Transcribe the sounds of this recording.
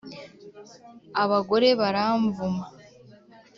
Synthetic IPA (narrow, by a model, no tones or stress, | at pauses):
aβaɡo̞ɾe̞βaɾaːɱvuma